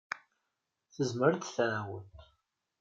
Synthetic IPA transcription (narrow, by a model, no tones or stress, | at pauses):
θəzməɾθθæwət̪